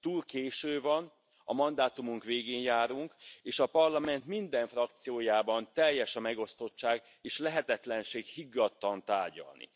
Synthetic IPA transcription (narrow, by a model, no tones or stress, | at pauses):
t̪uːlkeːʃøːvɒn | ɒ̰mɒnd̪aːt̪umuŋkʋeːɡeːnjaːɾuŋkeːʃɒpɒrlɒmɛnt̪mind̪ɛɱfrɒk̚t̪sijoːjaːbɒnt̪ɛjːɛʃɒmɛɡo̞st̪o̞t͡ʃːaːɡ | eːʃlɛɦɛt̪ɛt̪lɛnʃeːɡhiɡːɒt̪ːɒnt̪aːrɟɒ̰lnḭ